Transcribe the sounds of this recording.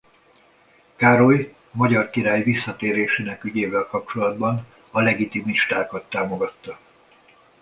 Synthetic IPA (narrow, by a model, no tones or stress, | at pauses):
kaːɾo̞j | mɒɟɒrkiɾaːjvisːɒt̪eːɾeːʃeːnɛkyɟeːvɛlkɒp̚t͡ʃo̞lɒd̪bɒn | ɒlɛɡit̪imiʃt̪aːkɒt̪ːaːmo̞ɡɒt̪ːɒ